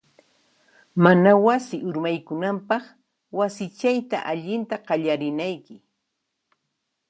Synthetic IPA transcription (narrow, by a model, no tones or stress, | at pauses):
manawasɪʔʊɾmajkʊnampɑχ | wasɪt͡ʃajt̪a̰ʔaʎɪnt̪aɢɑʎaɾɪnajkɪ